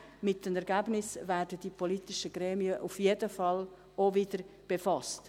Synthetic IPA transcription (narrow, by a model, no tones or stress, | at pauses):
mɪtːəmɛɾɡæbnɪsvæːɾdəd̥ipʰɔlitɪʃəɡ̥ɾɛːmiəʔufjedəfɑl | ovɪdəɾb̥efɑst